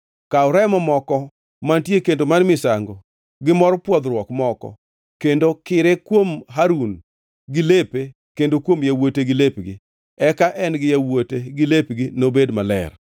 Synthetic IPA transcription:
kaʊɾɛmɔmɔkɔ | mantjekendomanmɪsaŋɡɔ | ɡɪmɔɾɔpwɔd̪ɾwɔkmɔkɔ̰ | kendokɪɾekwomɦaɾun | ɡɪlepe | kendokwomjawoteɡɪlepɡɪ̰ | ɛkaʔɛnɡɪjawoteɡɪlepɡɪnobedmalɛ̰r

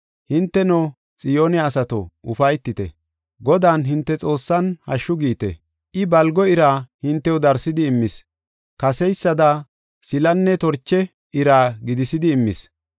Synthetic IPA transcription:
hɪnt̪ːɛno | t͡sʼɪjoːnɪaːsɐt̪ɔ̰ʊfɐjt̪ːɪt̪ɛ̰ | ɡɔd̪aːnɦɪnt̪ːɛt͡sʼo̞ːsːɐnhɐ̰ʃːʊɡiːt̪ɛ̰ | ʔɪbɐlɡɔɪɾaːhɪnt̪ːɛwʊd̪ɐɾsɪd̪ɪːmːɪs | kɐsɛjsːɐd̪a | sɪlɐnːɛt̪ɔɾt͡ʃːɛ | ɪɾaːɡɪd̪ɪsɪd̪ɪːmːɪs

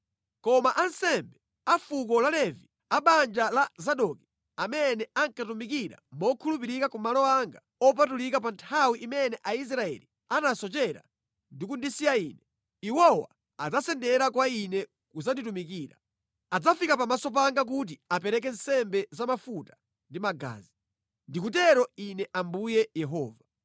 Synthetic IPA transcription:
kɔmaʔansɛmbɛ | afuk̬ɔlalɛvi | aɓand͡ʒalazaɗɔki̥ | amɛnɛaŋkatumikiɾa̰mɔkʰulupiɾikakumalɔaŋɡa | ɔp̬atulikap̬antʰawiʔimɛnɛʔais̬ɾaɛ̰li | anasɔt͡ʃɛɾa̰ | ndikundisijaiːnɛ | iwɔwa̰ | ad͡zasɛndɛɾak̬wainɛ | kuzanditumik̬iːɾa̰ | ad͡zafikapamasɔp̬aŋɡak̬ut̬iapɛɾɛk̬ɛnsɛmbɛzamafutḁ | ndimaɡa̰ːzi | ndikut̬ɛɾɔinɛʔambujɛjɛɦɔːva

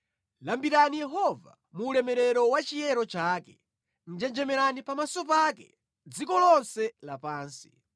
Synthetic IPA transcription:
lambiɾanijɛɦɔva̰ | muːlɛmɛɾɛɾɔwat͡ʃijɛɾɔt͡ʃaːkɛ | n̩d͡ʒɛnd͡ʒɛmɛɾanipamasɔpakɛ̰ | d͡zikɔlɔnsɛlapaːnsi̥

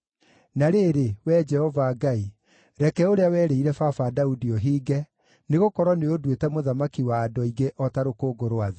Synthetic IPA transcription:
naɾeːɾewɛd͡ʒɛhɔvaːɡai | ɾɛkɛoɾeawɛːɾeiɾɛfafadaudiɔɦiːɡɛ | neɣokɔɾwɔneodwetɛmoðamakiwaːdɔiɡeʔɔtaɾokoːɡoɾoaðe

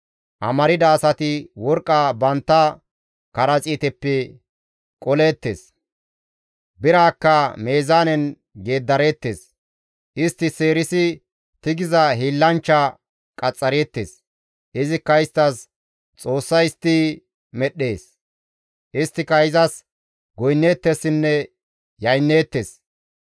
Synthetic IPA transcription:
ʔɐ̰mɐɾɪd̪ɐːsɐt̪ɪwɔɾkʼːɐbɐnt̪ːɐ | kɐɾɐt͡sʼiːt̪ɛpːɛ | kʼɔle̞ːt̪ːḛːs | bɪɾaːkːɐme̞ːzaːnɛn | ɡe̞ːd̪ːɐɾe̞ːt̪ːḛːs | ʔɪst̪ːɪse̞ːɾɪsɪ | t̪ɪɡɪzɐɦiːlːɐnt͡ʃːɐ | kʼɐt͡sʼːɐɾe̞ːt̪ːḛs | ʔɪzɪkːɐɪst̪ːɐs | t͡sʼo̞ːsːɐjɪst̪ːiː | mɛɗe̞ːs | ʔɪst̪ːɪkɐɪzɐs | ɡɔjnːe̞ːt̪ːesːɪnːɛ | jɐjnːe̞ːt̪ːe̞ːs

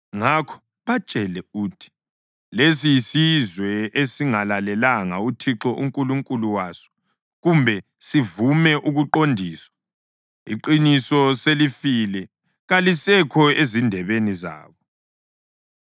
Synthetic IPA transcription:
ŋakʰɔ̥ | βat͡ʃʼɛlɛuːtʰi̥ | lesisizwɛesiŋalalɛlaŋautʰiǁɔʔuŋkʼuluŋkʼuluwaːsɔ̥ | ɣumbʱɛ | sivumɛʔuɣuǃondʱiːswḁ | iǃinisɔselifilɛ | ɣalisɛkʰɔezindʱɛβeniza̰ːβɔ

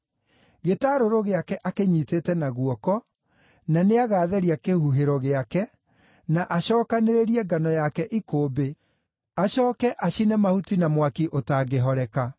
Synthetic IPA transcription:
ɣetaːɾoɾoɣeakɛʔakeɲiːteːtɛnaɣuɔkɔ | naneaɣaːðɛɾiakehuɦeɾɔɣeakɛ | naʔaɕɔːkaneɾeɾiɛɡanɔjakɛʔikoːbe | aɕɔːkɛʔaɕinɛmahutinamwakiʔotaːɡeɦɔɾɛka

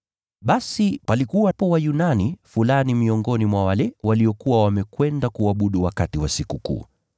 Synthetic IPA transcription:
ɓasipalikuwapɔwajunanifulanimiɔŋɡɔnimwawalɛwaliɔkuwawamɛkwɛndakuaɓuɗuwakatiwasikukṵː

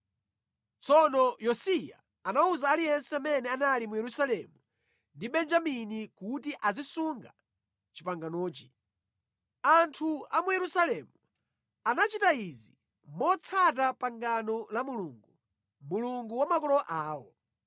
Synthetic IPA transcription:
t͡sɔnɔjɔsija̰ː | nauzaːlijɛnsɛamɛnɛanalimujɛɾusalɛmu | ndiɓɛnd͡ʒaminikutiʔazisuŋɡa̰ | t͡ʃipaŋɡanɔːt͡ʃi | antʰuamujɛɾusalɛmu | anat͡ʃitaizi | mɔt͡sʰat̬apaŋɡanɔlamuluŋɡu | muluŋɡuwamakɔlɔʔaːwɔ̰

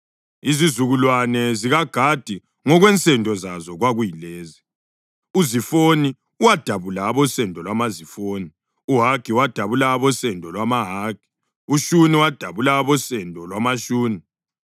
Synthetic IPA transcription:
izizuɣulwanɛziɣaɡ̥ʱad̥ʱi | ŋɔɣwɛnt͡sʼʰɛndʱɔzazɔɣwaɣujileːzi | uzifoni | uwad̥ʱaβulaːβɔsɛndʱɔlwamazifoːni | uɦaɡiwad̥ʱaβulaβɔsɛndʱɔlwamaɦaːɡ̥ʱi̥ | uʃuniwad̥ʱaβulaːβɔsɛndʱɔlwamaʃuːni

